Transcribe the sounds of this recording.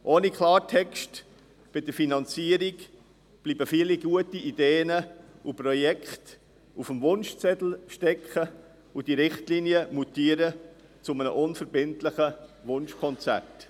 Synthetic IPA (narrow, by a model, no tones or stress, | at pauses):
ʔoːnikʰlɑːɾtʰɛkʃt | b̥ɪdəɾfinɑnt͡siəɾiɡ | b̥liːbəfiːliɡuətiʔideːənəupɾɔjɛkχt | ufəmvʊnʃt͡sɛtl̩ʃtɛkχə | ud̥iɾɪχtlinjəmutiːəɾə | t͡sʊmənə̰ʔʊnfəɾbɪntlɪχəvʊnʃkʰɔnt͡sæ̰rt